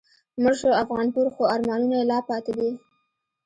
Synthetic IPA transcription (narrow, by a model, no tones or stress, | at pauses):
məʒʃoafɣɑnpuɾxoɑɾmɑnunajelɑpɑt̪ed̪i